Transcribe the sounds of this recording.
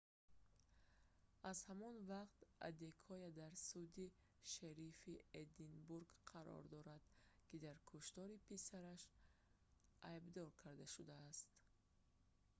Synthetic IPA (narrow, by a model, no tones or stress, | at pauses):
azhamɔnvaqt̪a̰d̪ekʰɔjad̪aɾsud̪i | ʃaɾified̪inbuɾɡqʰaɾɔ̰ɾd̪ɔɾad̪̥kid̪aɾkʰuʃt̪ɔɾipisaɾaʃ | ʔajbd̪ɔɾkʰaɾd̪aʃud̪aːst̪